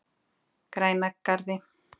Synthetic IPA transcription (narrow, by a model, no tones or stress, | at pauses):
kɾajnakːaɾðɪ